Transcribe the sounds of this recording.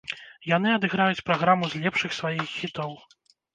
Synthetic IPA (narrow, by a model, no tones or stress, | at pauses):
jan̪ɨɐd̪ɨɣɾajut͡sʲpɾaɣɾamuzʲlʲɛpʂɨxsvajixːʲit̪ɔw